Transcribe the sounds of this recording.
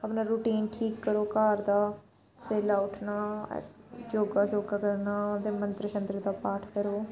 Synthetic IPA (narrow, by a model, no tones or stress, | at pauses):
əpnaːɾuːʈiːnʈʰiːkːəɾoːkaːɾd̪aː | seːlaːʊʈʰna̰ː | d͡ʒoːɡaːd͡ʒoːɡaːkəɾnaːt̪ẽːmənt̪ɾəʃənt̪ɾəd̪aːpaːʈʰkəɾoː